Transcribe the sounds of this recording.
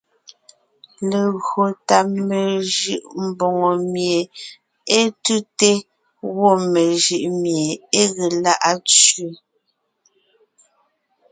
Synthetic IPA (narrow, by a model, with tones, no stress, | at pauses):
le˨ɣɰo˨ta˨me˨ʒɯ˨ʔm̩˨bo˨ŋo˨mje˨ | e˦tu˦te˦ | wo˦˨me˨ʒɯ˨ʔmje˨e˦ɣe˨la˦ʔa˦t͡ʃu˦